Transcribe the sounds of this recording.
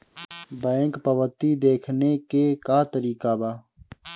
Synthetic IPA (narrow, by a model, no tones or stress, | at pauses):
bɛ̃ːŋkpəʋət̪id̪eːkʰnekekaːt̪əɾiːkabaː